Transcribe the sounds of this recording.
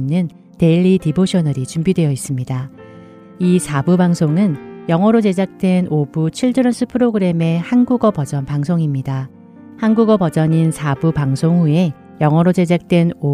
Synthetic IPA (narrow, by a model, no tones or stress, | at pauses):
nːɯn | te̞ʎːitiboɕʰʌnʌɾit͡ɕumbidwe̞jʌis͈ɯmɲida | isʰabubaŋsʰoŋɯnjʌŋɦʌɾod͡ʑe̞d͡ʑak̚t͈we̞nobut͡ɕʰiɭd͡ʑɯɾʌnsʰɯpʰɯɾoɡɯɾe̞me̞hanɡuɡʌpʌd͡ʑʌnpaŋsʰoŋimɲida | hanɡuɡʌbʌd͡ʑʌɲinsʰabupaŋsʰoŋhue̞ | jʌŋɦʌɾod͡ʑe̞d͡ʑak̚t͈we̞no